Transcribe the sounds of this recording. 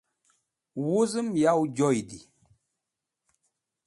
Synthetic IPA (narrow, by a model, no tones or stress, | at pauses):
wuzɨmjawd͡ʒɔjdi